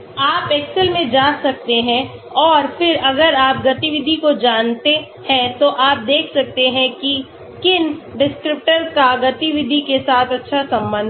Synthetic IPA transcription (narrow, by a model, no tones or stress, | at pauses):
aːpɛːksəlmẽd͡ʒaːsɐk̚t̪eɦɛ̃ɔːɾfɪɾɐɡəɾaːp̚ɡɐt̪iʋɪd̪ʱikod͡ʒaːnt̪e | hɛ̃t̪oʔaːp̚d̪eːkʰsɐk̚t̪eɦɛ̃ki | kɪnɖɪskɾɪp̚ʈəɾkaɡɐt̪iʋɪd̪ʱikesaːt̪ʰɐtːʃʰasɐ̃mbə̃nd̪ʱ